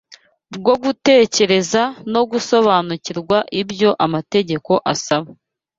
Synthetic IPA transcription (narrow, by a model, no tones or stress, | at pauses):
bɡo̞ɡute̞ːce̞ɾe̞zano̞ɡuso̞βaːnuciɾɡwaʔibjo̞ʔamate̞ɟe̞ko̞ʔasaβa